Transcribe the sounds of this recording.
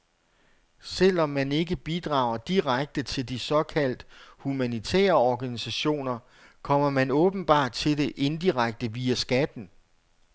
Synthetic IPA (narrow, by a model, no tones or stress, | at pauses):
sel̰ɒ̽mːæne̝ɡ̥əb̥id̥ʁɑ̈ʊɐd̥iʁaɡ̥̚d̥ət͡sʰe̝ld̥isɒ̽kʰæl̰d̥humænit͡sʰɛ̰ːɐɒɡ̥ænisæɕo̝̰ːnɐ | kʰɒ̽m̰ɐmænɔ̽ːb̥n̩b̥ɑ̰̈ːd̥̚t͡sʰe̝ld̥e̝ʔe̝nd̥iʁaɡ̥̚d̥əʋiæsɡ̥æd̥n̩